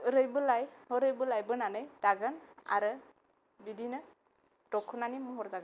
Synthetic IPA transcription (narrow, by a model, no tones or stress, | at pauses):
ɯɾɯjbɯlajhɯɾɯjbɯlajbɯnanɯjd̥aɡɯna̰ɾɯ | bidinɯ | tɔkʰɯnanimɔɦɔɾzaɡɯn